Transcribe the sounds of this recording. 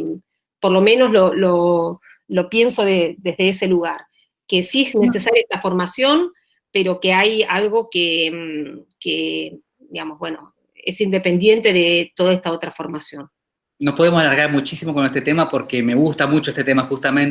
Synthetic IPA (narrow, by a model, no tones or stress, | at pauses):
poɾlo̞mẽ̞no̞slo̞lo | lo̞pje̞nso̞ðeðezðe̞ese̞luɣaɾ | ke̞siezne̞se̞saɾjaest̪afo̞ɾmasjo̞n | pe̞ɾo̞ke̞ajalɣo̞ke | ke | d̪iɣamo̞zβwe̞no̞̰ | ḛsind̪epe̞nd̪je̞nt̪e̞ðe̞t̪o̞ðaest̪ao̞t̪ɾafo̞ɾmasjo̞n | no̞spoðemosalaɾɣaɾmut͡ʃisimoko̞nest̪et̪emapoɾke̞me̞ɣust̪amut͡ʃoest̪et̪emaxust̪amen